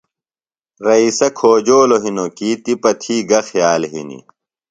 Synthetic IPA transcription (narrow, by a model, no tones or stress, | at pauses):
ɾɐisɐkʰoːd͡ʑoːloɦinokit̪ipɐt̪ʰiːɡɐxjaːlɦḭnḭ